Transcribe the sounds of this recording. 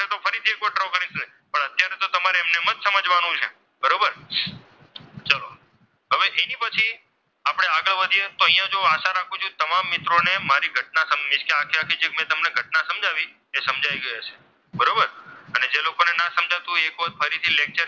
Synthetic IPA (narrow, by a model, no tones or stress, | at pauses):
et̪ofəɾit̪ʰiekoʈɾokəɾise | pəɳət̪jaɾet̪ot̪əmaɾeemnemət̪səməd͡ʒʋanũt͡ʃʰḛ | bəɾobəɾ | t͡ʃəlo | ɦəʋeʔenipət͡ʃʰi | apɽ̃eaɡəɭʋad̪ʱijet̪oəɦijãd͡ʒoaʃaɾakʰũt͡ʃʰũt̪əmamːɪt̪ɾonemaɾiɡʱəʈ̚nasəmmɪʃkeakʰiɾakʰid͡ʒekmɛ̃t̪əmneɡʱəʈ̚nasəmd͡ʒaʋi | esəmd͡ʒʱaiɡəjat͡ʃʰe̥ | bəɾobəɾəned͡ʒelokonenasəmd͡ʒʱat̪ũekʋod̪̚fəɾit̪ʰilek̚t͡ʃəɾ